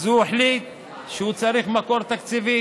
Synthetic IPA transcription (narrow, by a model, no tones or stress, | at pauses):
zueħlit̪̚ | ʃehut͡saɾiχmakoɾt̪akt͡sivi